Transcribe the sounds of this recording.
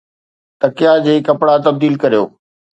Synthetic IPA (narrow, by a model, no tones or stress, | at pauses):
t̪ɐkɪjad͡ʑeːkɐpɽat̪ɐb̚d̪iːlkɐɾijo̰ː